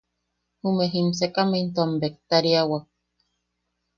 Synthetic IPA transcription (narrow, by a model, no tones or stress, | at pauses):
humeɦimsekament̪oambek̚t̪aɾiawa